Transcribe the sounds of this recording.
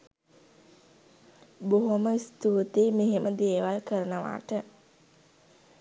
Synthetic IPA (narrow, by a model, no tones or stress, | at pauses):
boɦoməist̪uːt̪emeɦemʔəd̪eːʋalkəɾənəʋa̰ːʈə